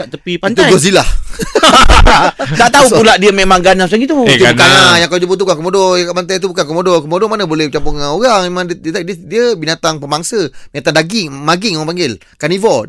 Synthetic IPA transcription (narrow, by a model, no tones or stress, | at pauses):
aʔt̪əpipait̪uɡosilah | t̪aʔt̪aupulaʔdiəmemaŋɡanas̬aɡit̪ut̪kanajãŋklod͡ʒubut̪ukankəmodɔjkaʔmant̪ajt̪ubukankəmodɔkəmodɔmanəbolɛhbət͡ʃampuŋanoɣaŋmemãŋdət̪ddiəbinat̪aŋpəmbaŋsəbinat̪aŋdaɡiŋmaɡɪŋoãŋpaŋɡɪl | kanivɔd